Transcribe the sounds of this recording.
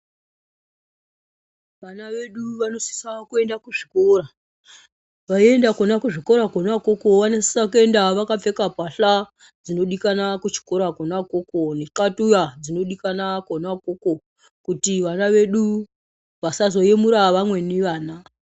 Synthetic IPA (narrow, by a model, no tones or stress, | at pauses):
ʋanaʋe̞ɗuʋano̞si̥sakue̞ndakuʐikora | ʋae̞ndakonakuʐiko̞ɾakonwakoko̞ʋanesesakue̞ndaʋakap͡fe̞kapaɬa | d͡zino̞ɗikanakut͡ʃi̥ko̞ɾakonako̞konekatujad͡zino̞ɗikanakonakoko | kutiʋanaʋe̞ɗu | ʋasazo̞jemuɾaʋamwe̞neʋaːna